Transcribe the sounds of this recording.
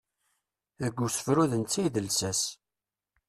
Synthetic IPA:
ðəɡʷːusə̥fɾuðənt͡sːijðəlsæs

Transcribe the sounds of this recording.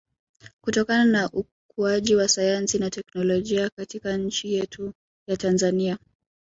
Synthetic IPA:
kutɔkananaʔu | kuaʄiwasajansinatɛknɔlɔʄiakatikaɲ̩t͡ʃijɛtʰu | jatanzania

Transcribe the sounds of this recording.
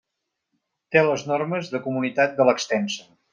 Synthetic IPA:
t̪eləznɔrməzðəkumunit̪at̪̚d̪ələkst̪ɛnsə̥

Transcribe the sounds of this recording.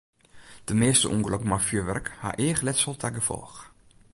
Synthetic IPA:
d̥əmeːəstə̰ʔuŋɡəlɔkmafjøʋɛ̰rkha̰ʔeəxlɛtsɔlˠtʰɛɡəfɔ̰lˠx

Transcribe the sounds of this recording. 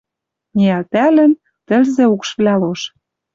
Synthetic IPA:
nʲiælt̪ælɘ̆n | t̪ɘ̆lzĕukʃβlʲæloʃ

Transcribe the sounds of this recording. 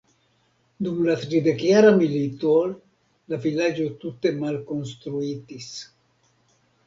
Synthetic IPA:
d̪umlat̪ɾid̪ekjaɾamilit̪ol | lavilad͡ʒot̪ut̪emalkonst̪ɾuit̪is

